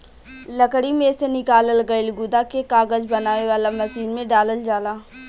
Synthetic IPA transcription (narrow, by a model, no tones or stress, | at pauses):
ləkɽimẽsenɪkaːləlɡəɪlɡʊd̪akekaːɡəd͡ʒbɐnaːʋeʋaːlamɐsiːnmẽɖaːləld͡ʒaːlaː